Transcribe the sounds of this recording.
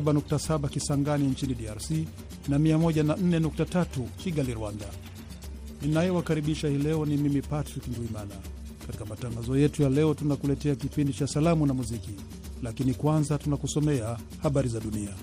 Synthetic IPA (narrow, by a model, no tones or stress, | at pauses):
ɓanuk̚tasaɓakisaŋɡaniɲt͡ʃiniɗiaɾsi | namiamɔʄanan̩nɛnuk̚tatatukiɠaliɾuwanda | ninajɛwakaɾiɓiʃahiːlɛɔnimimipatɾiknduimana | kati̥kamataŋɡazɔjɛtujalɛɔtunakulɛtɛakipindit͡ʃasalamunamuziki | lakinikwanzatunakusɔmɛa | haɓaɾizaɗunia